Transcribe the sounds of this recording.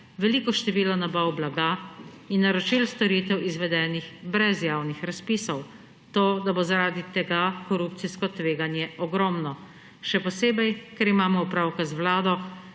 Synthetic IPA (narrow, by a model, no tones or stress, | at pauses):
ʋɛliːkɔʃt̪ɛʋiːlɔnabawblaɡa | inːaɾɔt͡ʃilst̪ɔɾiːt̪ɛwizʋɛd̪ɛːnixbɾɛzjaːwnixɾaspiːsɔw | t̪oːd̪abozaɾaːd̪it̪ɛɡakɔɾupt̪siskɔt̪ʋeːɡanjɛʔɔɡɾɔmnɔ | ʃɛpɔseːbɛjkɛɾimaːmɔupɾaːwkazwlaːd̪ɔ